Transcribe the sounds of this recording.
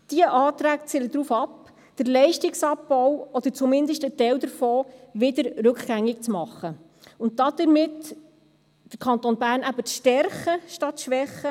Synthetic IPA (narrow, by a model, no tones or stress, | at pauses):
d̥iəʔɑːt̪ɾæːkt͡sɪləd̥ɾuːfɑp | d̥əɾlɛɪʃtɪksɑpbɔwɔd̥̪əɾt͡sʊmɪndəʃtətɛld̪əɾfɔːʋɪd̪əɾɾɵkχɡ̥æŋːɪk̚t͡smɑχːə | ʊntd̥ɑd̥̪əɾmɪt | d̥əɾkʰɑnt̪onbæːɾnæbəʃtɛɾχəʃtɑtʃʋɛχə